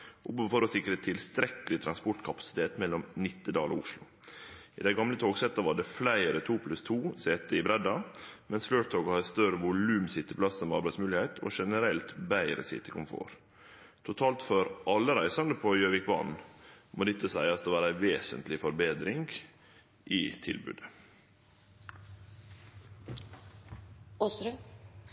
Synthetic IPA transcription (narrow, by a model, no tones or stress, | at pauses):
ʔʊpfɔɾɔsɪkːɾət̪ʰɪlst̪ɾɛkəlɪt̪ʰɾɑnspɔʈ̪kʰɑpɑ̥sɪ̥t̪ʰeːt̪mɛlːɔmnɪt̪ːədɑːlɔ̰ʊʂlʊ | ɪd̪æɪɡɑmlət̪ʰoːɡsɛt̪ːɑʋɑɖɛflæɪɾət̪ʰuːpʰlʉst̪ʰuːseːt̪əɪbɾɛd̪ɑmɛnsfløːt̪ʰoːɡhɑst̪œɾəʋʊlʉːmsɪt̪ːəplɑsəmɛɑɾbæɪsmʉːlɪhɛɪt̪ʰɔ̰ʂɛnəɾɛlt̪bæɪɾə̰sɪ̰t̪ːəkʰʊmfo̰ːɾ | t̪ʰʊt̪ʰɑːlt̪fɔɾʔɑlːəɾæɪsɑnd̪əpʰɔjøːʋɪkbɑ̰nmod̪ɪt̪ːəsæ̰ɪɑt̪d̪əʋɑːɾæɪʋeːsə̰nt̪lɪfɔɾbeːd̪ɾɪŋɡ | ʔɪ̰t̪ʰɪ̰lbʉ̰ːd̪ə | ɔsɾʉ